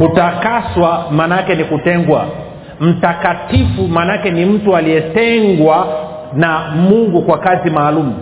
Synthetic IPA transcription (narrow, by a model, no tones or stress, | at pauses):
kutakaswamaːnakɛnikutɛŋɡwa̰ | m̩takatifumaːnakɛnim̩tualiɛtɛŋɡwa | namuŋɡukwakazimaːlumu